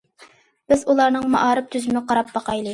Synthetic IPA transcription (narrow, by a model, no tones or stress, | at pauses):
b̥ɪzulˠɑɾnɨŋmɑ̰ʔɑːɾɨp̚t̪ʰyzymɪqʰɑɾɑp̚bɑqɑjlˠɨ